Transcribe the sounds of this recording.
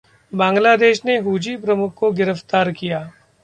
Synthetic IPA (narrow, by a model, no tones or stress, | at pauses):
bãːŋɡlaːd̪eːʃneɦuːd͡ʒipɾɐmʊkʰːoɡɪɾəft̪aːɾkijaː